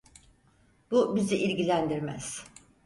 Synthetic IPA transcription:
b̥ubiziʔilʲɟilʲænd̪iɾmæ̰z̥

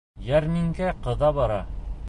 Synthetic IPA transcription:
jæɾmiŋkæqɤ̆ðɑβɑɾɑ

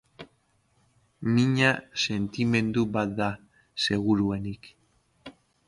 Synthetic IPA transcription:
miɲase̞nt̪ime̞nd̪uβat̪̚d̪a | se̞ɣ̞uɾuenik

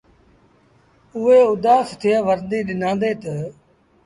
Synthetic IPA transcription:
ʊɦeːʊd̪aːst̪ʰɪjãːʋəɾnd̪iːɗɪnãːnd̪eːt̪ə

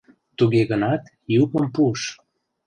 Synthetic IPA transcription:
t̪uɣeɣənɑt̪ | jupəmpuʃ

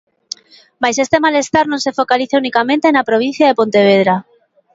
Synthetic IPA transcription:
majsest̪emalest̪aɾnõnsefokaliθaunikamẽnt̪enapɾoβ̞in̟θjaðepont̪eβ̞eðɾa

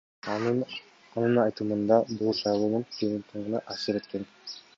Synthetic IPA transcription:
ɑnɯnɑjt̪ɯmɯnd̪ɑbulˠʃɑjlˠonunkʰenʲit̪ʰɯɴʁɯnɑʔɑsɯɾet̪̚ken

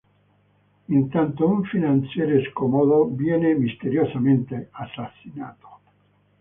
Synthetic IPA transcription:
ent̪ant̪ouɱfinansjeɾeskɔmoðobjɛnemist̪eɾjosamẽnt̪easasina̰ːt̪o̥

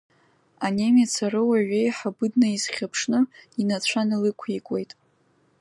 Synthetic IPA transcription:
anemat͡sʰaɾɨwaɥejħabɨdnaizχʲapʰʂnɨinat͡ɕʷʰanlɨkʷʰikʷʼe̞jtʼ

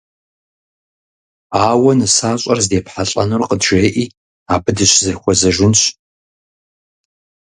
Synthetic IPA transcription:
aːwɐnɨsaːɕʼɐrzdeːpħaɬʼɐ̰nɨrqədʒeːʔiː | aːbɨdɨɕzɐxʷɔzɐʒɪnɕ

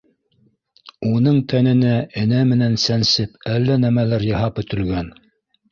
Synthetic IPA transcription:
unɤɴt̪ʰænɘ̆næʔɘ̆næmɘ̆nænsænsɘpælːænæmælæɾjɤ̆ɦɑpɵ̆t̪ɵ̆lɡæn

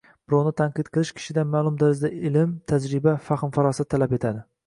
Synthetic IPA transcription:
b̥ɾonɪt̪ʰaɴqʰɨt̪qʰɨlˠɪʃkʲʰɪ̥ʃɪd̪amaːlˠʊmd̪aɾɪzd̪aɪlɪmt̪ʰad͡ʒɾɪbafɑχɨnfaɾɑsat̪ʰːalape̞t̪ʰad̪ɪ

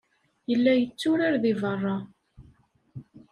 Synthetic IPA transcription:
jəlːæjət͡sːʊɾaɾðivərˤːɑ

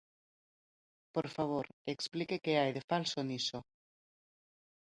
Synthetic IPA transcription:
poɾfaβ̞oɾeksplikekeajðefalsoniso

